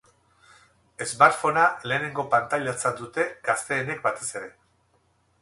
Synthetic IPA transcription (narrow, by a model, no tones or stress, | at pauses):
e̞zmaɾfo̞nale̞ːne̞ŋɡo̞pant̪ajʎat͡sand̪ut̪e̞ɡ̥ast̪e̞ːne̞k̚bat̪e̞se̞ɾe̞